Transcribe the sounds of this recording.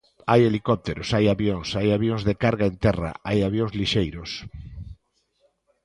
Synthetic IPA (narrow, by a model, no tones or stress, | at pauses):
ajelikɔp̚t̪eɾʊsajaβjoŋsajaβjoŋzðekaɾɣaent̪ɛra̰ajaβjõŋzliʃejɾʊs